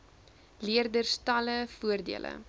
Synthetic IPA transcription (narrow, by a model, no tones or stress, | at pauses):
liərdərstɐləfuərdḭələ̰